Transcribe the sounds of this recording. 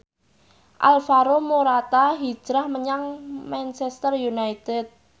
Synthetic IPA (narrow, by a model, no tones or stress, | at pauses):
ʔa̰lfaɾomoɾat̪aɦi̥ʒ̥ɾahməɲaŋmant͡ʃɛst̪ərjunait̪ɛt̪̚